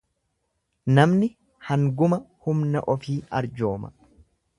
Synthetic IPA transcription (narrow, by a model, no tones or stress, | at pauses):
nɐmnɪ | hɐŋɡʊmɐhʊmnɐ̰ʔɔfiːɐɾd͡ʒoːmɐ̥̰